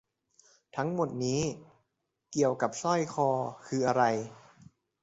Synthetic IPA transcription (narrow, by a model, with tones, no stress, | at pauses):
t̪ʰa˦˥ŋmo˨˩t̪̚niː˦˥ | ki˨˩əwka˨˩p̚sɔ˥˩jkʰɔː˧kʰɯː˧ʔa˧ɾa˧j